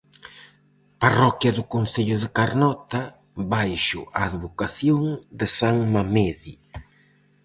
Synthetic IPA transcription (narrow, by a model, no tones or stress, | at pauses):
parɔkjɐðʊkon̟θeʎʊðɪkaɾnɔt̪ɐ | βajʃʊ̰ʔaːðβokaθjoŋd̪ɪsaŋmameði